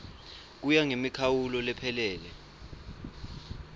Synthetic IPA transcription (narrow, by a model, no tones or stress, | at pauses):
k̬ujaŋemikʰawulɔlɛpʰɛlɛːlɛ